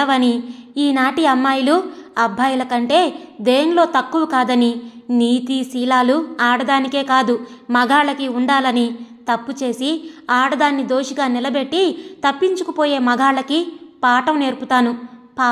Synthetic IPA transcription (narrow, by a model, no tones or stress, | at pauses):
ɐʋɐniiːnaːʈiɐmːaːjuluɐbʱːaːjulɐkɐɳʈe̞ːd̪eːɐnlo̞ːt̪ɐkːuwukaːd̪ɐniniːt̪isiːlaːluaːɽɐd̪aːnike̞ːkaːd̪umɐɡʱaːɭɐkiuɳɖaːlɐnit̪ɐpːut͡ʃe̞ːsiaːɽɐd̪aːnːid̪o̞ːʃiɡaːnilɐbe̞ʈːit̪ɐpːiɲt͡ʃukupoːje̞ːmɐɡʱaːlɐkipaːʈɐmne̞ːɾput̪aːnupa